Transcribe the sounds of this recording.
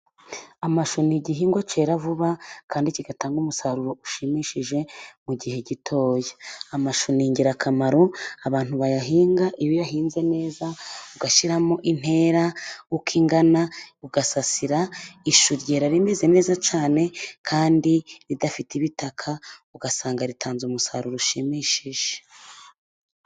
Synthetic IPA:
amaʃuniɟiɦiːŋɡwat͡ʃe̞ɾavuβakʰaːndiciɡataːŋɡumusaɾuɾo̞ʔuʃimiʃiʒe̞muɟihe̞ɟitʰo̞ːjaamaʃuniɲɟiɾakʰamaɾo̞aβaːn̥uβajaɦiːŋɡaʔijojaɦiːnze̞ne̞ːzauɡaʃiɾamoʔin̥he̞ːɾaukʰiːŋɡanauɡasasiɾaiʃuɾje̞ɾaɾime̞ze̞ne̞ːzat͡ʃaːne̞kʰaːndiɾidafitiβitakʰauɡasaːŋɡaɾitʰaːnzumusa̰ɾuɾoʃimiʃiʒ̥e̥

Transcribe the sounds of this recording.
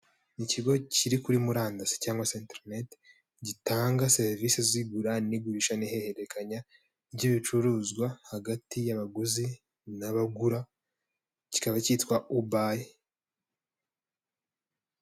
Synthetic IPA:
niciɡo̞ciɾikuɾimuɾaːndase̥caːŋɡwaseːnteɾnet | ɟitaːŋɡaseɾviseziɡuɾaniɡuɾiʃanihe̞he̞ɾe̞kʰaɲa | iβɟiβit͡ʃuɾuzɡwahaɡatijaβaɡuzi | naβaɡuɾa | ci̥kaβacitwaʔubaːje

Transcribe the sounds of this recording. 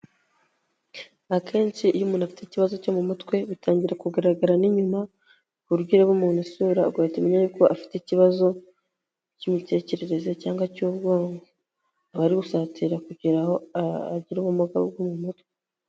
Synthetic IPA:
akʰe̞ːnt͡ʃijumuːnafi̥teiciβazo̞comumutwe̞βutʰaːɲɟiɾakuɡaɾaɡaɾaniɲuma | βuɾɡiɾeβumuːnusuːɾaɡaetimeɲajuːkoʔafi̥teiciβazo̞ | cimite̞ːce̞ɾe̞ɾe̞ze̞caːŋɡwacubɡo̞ːŋɡo | aβaɾiɡusaːtiɾakuɟiɾaho̞aa̰ɟiɾuβumuɡa̰ɡwomumutkwe

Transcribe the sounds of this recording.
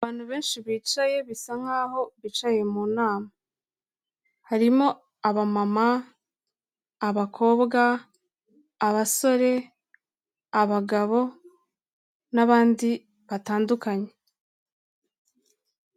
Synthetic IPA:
aβaːn̥huβe̞ːnʃiβiːt͡ʃaje̞βisaŋ̥haːho̞βit͡ʃaje̞muːnaːma | haɾimo̞ | aβamama | βakʰo̞ːbɡa | βaso̞ɾe̞ | aβaɡaβo̞ | naβaːndi | βataːndukaɲe̞

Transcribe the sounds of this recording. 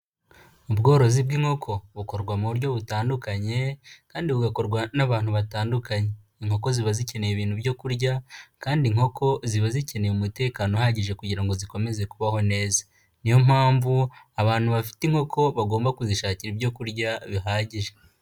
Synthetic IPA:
ubɡo̞ːɾo̞zibɡiːŋho̞kʰo̞βuko̞ɾɡwamuβuɾɟo̞βutaːndukaɲe̞kaːndiβuɡako̞ɾɡwanaβaːn̥huβataːndukaɲe̞ | iŋho̞ko̞ziβazice̞nejeβiːn̥hubjo̞kuɾɟakaːndiŋho̞kʰo̞ziβazice̞ne̞jumute̞ːkaːnohaɟiʒe̞kuɟiɾaŋɡo̞ziko̞me̞ze̞kuβaho̞ne̞ːzḁ | nijo̞m̥haːɱvu | aβaːn̥huβafi̥tiŋ̥ho̞kʰo̞βaɡo̞ːmbakuziʃaːciɾibjo̞kuɾɟaβiɦaːɟiʒe

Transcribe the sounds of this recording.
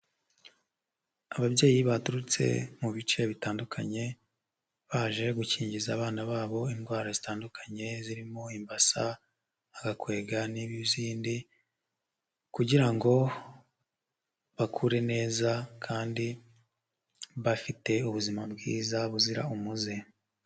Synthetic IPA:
aβabɟe̞ːjiβatuɾut͡sḛmuβit͡ʃe̞βitaːndukʰaɲe̞ | βaːʒe̞ɡuciːɲɟizaːβaːnaβaːβo̞inɡwaːɾazitaːndukʰḁɲe̞ziɾimo̞imbasa | aɡakwe̞ːɡaniβjuziːndi | kuɟiɾaŋɡo̞ | βakʰuɾe̞ne̞ːzakʰaːndi | βafite̞uβuzimabɡiːzaβuziɾa̰umuze

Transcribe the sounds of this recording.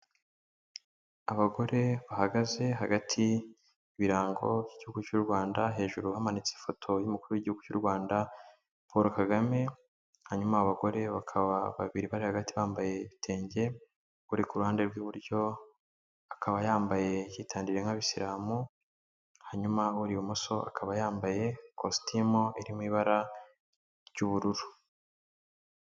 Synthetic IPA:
aβaɡo̞ɾe̞βahaɡaze̞ɦaɡatʰi | βiɾaːŋɡo̞̰vjiɟihuɡut͡ʃuɾɡwaːndaɦe̞ːʒuɾuhamanit͡sefo̞tʰo̞jumukuɾuwjiɟihuɡut͡ʃuɾɡwaːnda | poɾokaɡame̞ | haɲumaːβaɡo̞ɾe̞βakʰaβaβa̰βiɾiβaɾihaɡatiβaːmbaje̞iβitʰe̞ːɲɟe̞ | uɾikuɾuhaːnde̞ɾɡwuβuɾjo̞ | akʰaβajaːmbaje̞jitʰaːndiɾeŋaβisiɾaːmu | haɲumauɾiwumoso̞ʔa̰kʰaβajaːmbaje̞kʰostʰimoiɾimwiːβaɾa | ɾjuβuɾuɾu̥

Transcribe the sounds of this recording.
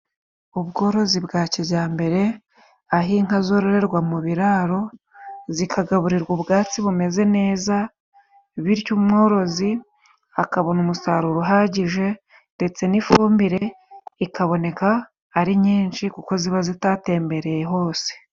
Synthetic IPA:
uβɡo̞ːɾo̞zibɡaːciβɟaːmbe̞ɾe̞ | aɦiŋ̥azo̞ːɾoɾe̞ɾɡwamuβiɾaɾo̞ | zikʰaɡaβuɾiɾɡuβɡaːt͡siβume̞ze̞ne̞ːza | βiɾcumŋo̞ːɾo̞zi | akaβo̞numusaɾuɾuɦaɟiʒe̞ | nde̞t͡se̞nifuːmbiɾe̞ | ikaβo̞ne̞kaː | ɾiɲiːnʃikuko̞ziβazitaːte̞ːmbe̞ɾe̞jeɦo̞ːse̥

